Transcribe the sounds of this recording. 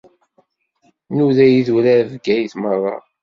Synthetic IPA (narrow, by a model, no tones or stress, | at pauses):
nuðæjiðuɾæɾvɡæjiθmərˤːɑ̰